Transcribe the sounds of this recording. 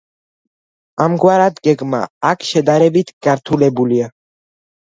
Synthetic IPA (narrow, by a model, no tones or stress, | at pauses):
amɡwaɾat̪ɡɛɡma̰ːkʰʃɛd̪aɾɛbit̪ʰɡ̥aɾt̪ʰulɛbulia